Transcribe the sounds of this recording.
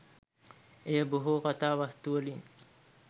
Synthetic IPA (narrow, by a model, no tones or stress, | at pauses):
ejəboɦukat̪aːʋast̪uəlin